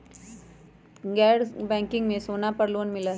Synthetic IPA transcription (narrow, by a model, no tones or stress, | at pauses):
ɡɛːɽzbɛ̃ːŋkɪ̃ŋɡmẽsoːnapɐɾloːnmɪla